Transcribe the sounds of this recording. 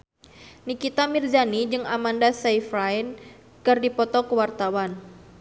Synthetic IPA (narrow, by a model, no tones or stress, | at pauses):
nikit̪amird͡ʒanid͡ʒɨŋamandasaifɾajn | kɨrdipɔt̪ɔkəwart̪awan